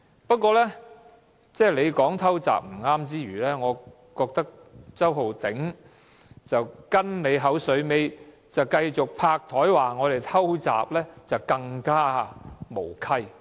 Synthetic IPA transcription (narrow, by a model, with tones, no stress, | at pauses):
pɐ˥kʷːɔː˧lɛː˥ | t͡sɛː˥˩le˨˧jkɔː˨˥ŋt̪ʰɐ˥wt͡sa̰ː˨p̚m̩˨˩ŋaː˥mt͡siː˥ɥyː˨˩lɛː˥ŋɔː˨˧ | kɔː˧k̚t̪ɐ˥k̚ | t͡sɐ˥wɦo˨˩wt̪ɪ˨˥ŋ | t͡sɐ˨wkɐ˥nne˨˧jɦɐ˨˥wsɵ˨˧ɥme˨˧j | t͡sɐ˨wkɐ˧jt͡sʊ˨k̚pʰaː˧k̚t̪ʰɔː˨˥jwaː˨˩ŋɔː˨˧ɾe˨˩jt̪ʰɐ˥wt͡sa̰ː˨p̚lɛː˥t͡sɐ˨wkɐ˧ŋkaː˥˨mo˨˩wkʰɐ˥j